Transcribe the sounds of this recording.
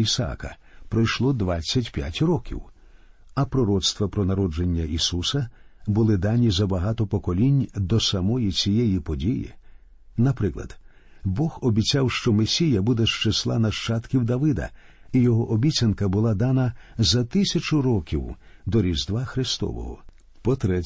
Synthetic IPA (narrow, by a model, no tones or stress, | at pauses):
isɐa̰kɐ̰pɾɔjʃlˠɔd̪ʋat͡sʲːɐtʲpʲja̰tʲrɔkʲḭw | ɐpɾɔɾɔt̪st̪ʋɐpɾɔnɐɾɔd͡ʒenʲːɐʔisusɐbʊlˠɪd̪anʲizɐbɐɦat̪ɔpɔkɔlʲinʲd̪ɔsɐmɔjit͡sʲijɛjipɔdʲijḭ | nɐpɾɪklˠɐ̰d̪̥ | bɔxɔbʲit͡sʲawʃt͡ʃɔmesʲijɐbud̪ɛʃt͡ʃeslˠa̰nɐʃt͡ʃat̪kʲiwd̪ɐʋɪd̪ɐ̰ | ijɔɦɔʔɔbʲit͡sʲɐnkɐbʊlˠad̪anɐzɐt̪ɪsʲɐt͡ʃʊɾɔkʲiwd̪ɔɾʲizd̪ʋaxɾɪst̪ɔ̰ʋɔ̰ɦɔ | pɔt̪ɾɛ